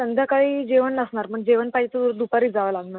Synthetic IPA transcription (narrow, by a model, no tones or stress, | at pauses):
t̪ənd̪ʱjakaɭiːd͡ʑeʋənləsɳaɾməɳd͡ʑeʋənpaɦit͡səɾd̪upaɾiːd͡zaʋəlaɡnaɾ